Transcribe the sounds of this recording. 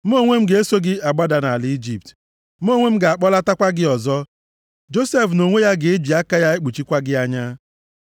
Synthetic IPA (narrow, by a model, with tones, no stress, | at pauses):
m̩˦o˦ŋʷe˦m̩˦ɡe˨e˦so˦ɡɪ˦a˨ɡ͡ba˦da˨na˨li˦d͡ʒi˨p̚t | m̩˦o˦ŋʷe˦m̩˦ɡa˨k͡pɔ˦la˦ta˦kʷa˦ɡɪ˦ɔ˨zɔ˦ | d͡ʒo˦se˦˨fno˨ŋʷe˦ja˦ɡɪ˨e˦d͡ʒi˨a˦ka˦ja˦e˦k͡pu˨t͡ʃi˦kʷa˦ɡɪ˦a˦ɲa˦